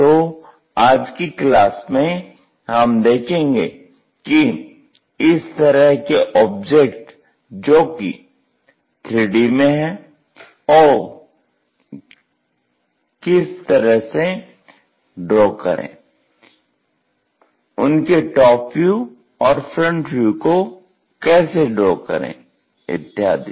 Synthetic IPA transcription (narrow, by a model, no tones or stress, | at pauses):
t̪o | aːd͡ʒkiklaːsmẽ | ɦɐmd̪eːkʰẽːŋɡḛ | ki | ɪst̪əɾəɦkeʔɔːb̚d͡ʒekʈ | d͡ʒoːkḭ | t̪ʰɾɪːɖimẽɦɛ̃ː | ɔː | kɪst̪ɐɾəɦse | ɖɾoːkɐ̰ɾḛ̃ː | ʊnkeʈɔːpʰju | ɔːɾfʰɾə̃ɳʈʋjuko | kɛːseɖɾoːkɐ̰ɾḛ̃ː | ɪ̰t̪ːɪɦa̰ːd̪i